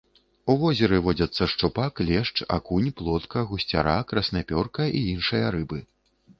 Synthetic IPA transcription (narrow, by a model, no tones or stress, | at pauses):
uvɔzʲɛɾɨvɔd͡zʲɐt̪sːɐʂt͡ʂupaklʲɛʂt͡ʂa̰kunʲplˠɔt̪kɐɣusʲt͡sʲa̰ɾakɾɐsnapʲɔrkɐʔiinʂɨjɐɾɨbɨ